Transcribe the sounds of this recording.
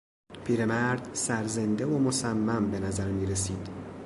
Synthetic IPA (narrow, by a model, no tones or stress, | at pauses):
pʰiːɾemæɾd̪sæɾze̞nd̪e̞omosæmːæmbe̞næzæɾmiːɾesiːd̪̥